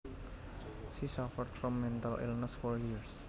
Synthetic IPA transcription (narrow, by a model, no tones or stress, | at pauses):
ʃisafəɾɖfɹɔ̃mːɛ̃ntalʔɪ̰lnəsfɔɹjiɹs